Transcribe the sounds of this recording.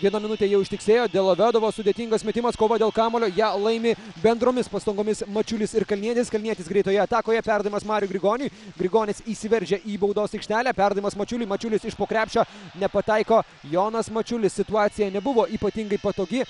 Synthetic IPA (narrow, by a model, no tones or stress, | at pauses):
ʋʲiɛnɐmʲɪnʊt̪ʲejɛʊɪʃt̪ʲɪksʲeːjoːd̪ʲeːlˠɐʋʲæːd̪ɐʋoːsʊd̪ʲeːt̪ʲɪŋɡɐsmʲɛt̪ʲɪmɐskoːʋɐd̪ʲeːlˠkɑːmoːlʲoːjæːlˠɐɪmʲɪbʲɛnd̪ɾoːmʲɪspɐst̪ɐŋɡoːmʲɪsmɐt͡ʃʲʊlʲɪsɪɾkɐlʲniɛt̪ʲɪskɐlʲnʲiɛt̪ʲɪsɡɾʲɛɪt̪oːjɛɐt̪ɑːkoːjɛpʲæɾd̪ɐɪmɐsmɑːɾʲɪjuɡɾʲɪɡoːnʲʊjɡɾʲɪɡoːnʲɪsiːsʲɪʋʲɛɾʲʒʲɛʔiːbɐʊd̪oːsɐɪkʃʲt̪ʲæːlʲæːpʲæɾd̪ɐɪmɐsmɐt͡ʃʲʊlʲɪːmɐt͡ʃʲʊlʲɪsɪʃpoːkɾʲæːpʲʃʲt͡ʃʲoːnʲɛpɐt̪ɐɪkoː | joːnɐsmɐt͡ʃʲʊlʲɪssʲɪt̪uɑːt̪sʲɪjænʲɛbʊʋoːʔiːpɐt̪ʲɪŋɡɐɪpɐt̪oːɡʲɪ